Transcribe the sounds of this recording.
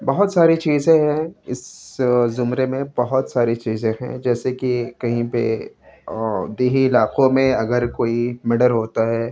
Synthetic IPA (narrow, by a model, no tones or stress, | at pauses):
bɐɦʊt̪saːɾit͡ʃiːzẽɦɛ̃ɪszʊmɾemẽbɐɦʊt̪saːɾit͡ʃiːzẽɦɛ̰̃d͡ʒɛːsekikɐɦĩpḛ | d̪eːɦiɪlaːqõmẽɐɡəɾkoːimɪɽəɾɦoːt̪aɦɛː